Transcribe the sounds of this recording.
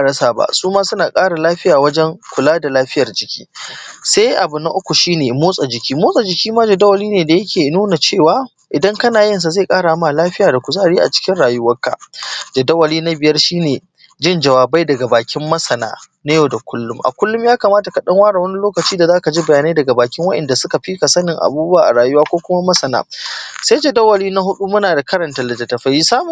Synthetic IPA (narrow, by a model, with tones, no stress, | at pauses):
ʔa˨ɽɐ˦saː˨ba̰˦ʔsuː˦maː˦sʊ˦naː˨kʼaː˦ɽa˨laː˦ɸɪ˦jaː˨wɐ˦d͡ʒɛ˦ŋkʷʊ˨laː˦da˨laː˦ɸɪ˦jɐ˨rd͡ʒɪ˨kʲʰi̥̰ː˦sa˦jʔa˨bʊ˨na˦ʔʊ˦kʷu˨ʃiː˦neː˨moː˦sʼa˨d͡ʒɪ˨kʲiː˦moː˦sʼa˨d͡ʒɪ˨kʲiː˦maː˦d͡ʒɐ˨dɐ˦wɐ˨liː˦neː˨da˨jɐ˦kʲʰeː˨nuː˦na˨t͡ʃeː˦˨waː˦ | ʔɪ˨dɐ˦ŋkɐ˦naː˨jɪ˦ns̬a˨za˦˨kʼaː˦ɽa˨˦ma˨laː˦ɸɪ˦jaː˨da˨kʷu˨za˦ʔa˨ɽi˦ʔa̰˨t͡ʃɪ̥˦kʲɪ˦nɽaː˨jʊ˦wɐ˦kːa̰˨d͡ʒɐ˨dɐ˦wɐ˨liː˦na˦bɪ˨jɐ˦rʃiː˦neː˨ | d͡ʒɪ˦˨nd͡ʒɐ˨waː˨ba˦jdɐ˨ɡa˨baː˨kʲɪ˦mːɐ˦sɐ˨na̰ː˨˦ | na˦joː˨da˨kʷʊ˦lːʊ˦mʔa̰˨kʷʊ˦lːʊ˦mjaː˦ka˨maː˦ta˨ka˨ɗɐ˦ŋwaː˦ɽa˨wɐ˦ni˦loː˦kɐ˨t͡ʃiː˦da˨zaː˦ka˨d͡ʒi˦bɐ˨jaː˨ne˦dɐ˨ɡa˨baː˨kʲɪ˦ŋwɐ˦ʔɛ̰˨nda˨sʊ˦ka˨ɸi˦ka˨sɐ˦nɪ˨ŋʔa̰˨buː˦bu˦aː˨ʔa̰˨ɽaː˨jʊ˦waː˦kʷoː˦kʷʊ˦ma˦mɐ˦sɐ˨na̰ː˦sa˦jd͡ʒɐ˨dɐ˦wɐ˨liː˦na˦ɦʊ˦ɗu˦mʊ˦naː˨da˨kɐ˦ɾɐ˨nta˨lɐ˨tɐ˨tɐ˨ɸɐ˦ji˦saː˦mʊ˨